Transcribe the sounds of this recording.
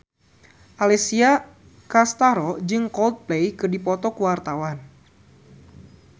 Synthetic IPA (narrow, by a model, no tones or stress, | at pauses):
ʔalɛsia | kast̪aɾɔd͡ʒɨŋkɔld̪̚plejkɨrdipɔt̪ɔkuwart̪awan